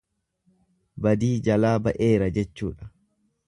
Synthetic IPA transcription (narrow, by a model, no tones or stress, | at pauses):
bɐd̪iːd͡ʒɐlaːbɐʔeːɾɐd͡ʒɛt͡ʃːṵːᶑɐ̥